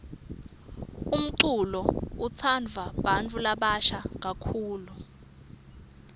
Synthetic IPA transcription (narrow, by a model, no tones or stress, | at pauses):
um̩ǀulɔut͡sʰand͡vʱaɓant͡fʰʼulaɓaʃak̬akʰuːlu